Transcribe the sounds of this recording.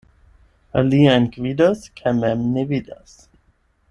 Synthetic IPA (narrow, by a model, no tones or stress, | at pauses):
aliankvid̪askʰamɛmnevid̪a̰s